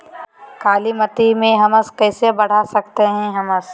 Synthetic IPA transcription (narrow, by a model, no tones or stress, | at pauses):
kaːlimɐt̪imẽɦɐməskɛːsebɐɽ̤asɐk̚t̪eɦɛ̃ɦɐməs